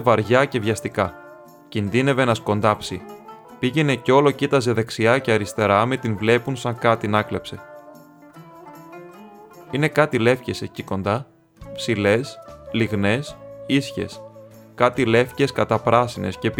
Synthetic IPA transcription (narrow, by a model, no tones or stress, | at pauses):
vɐɾʝɐce̞vʝɐst̪ikɐ | cinðine̞ve̞nɐsko̞nd̪ɐpsi | piʝe̞ne̞ceo̞lo̞cit̪ɐze̞ðe̞ksiɐceɐɾist̪e̞ɾɐmet̪invle̞punsɐŋkɐt̪inɐklepse̞ | ine̞kɐt̪ile̞fce̞se̞ciko̞nd̪ɐ | psile̞sliɣne̞sisçe̞̰s | kɐt̪ile̞fce̞skɐt̪ɐpɾɐsine̞̰sce̞p